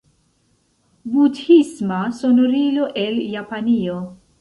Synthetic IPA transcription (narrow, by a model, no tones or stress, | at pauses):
budhismaso̞noɾiloʔeljapanio